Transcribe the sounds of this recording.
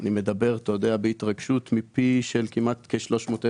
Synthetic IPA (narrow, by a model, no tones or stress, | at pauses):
nime̞d̪abe̞ʁt̪od̪eabeit̪ʁaɡʃut̪mipiʃelkimat̪keʃlo̞ʃmoːt̪e